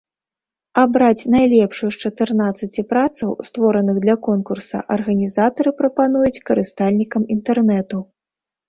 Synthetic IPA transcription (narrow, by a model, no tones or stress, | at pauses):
abɾat͡sʲnajlʲɛpʂujuʂt͡ʂɐt̪ɨrnat̪sːɐt͡sʲipɾat̪sɐwst̪vɔɾɐnɨɣd̪lʲɐkɔnkursɐ̰ʔɐrɣɐnʲizat̪ɐɾɨpɾɐpanujut͡sʲkɐɾɨst̪alʲnʲikɐmint̪ɛrnɛt̪u